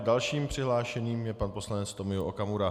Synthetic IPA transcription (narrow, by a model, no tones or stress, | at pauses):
dalʃiːmpr̝̥ɪɦlaːʃɛɲiːmjɛpanpo̞slanɛt͡st̪o̞mɪuʔokamuɾa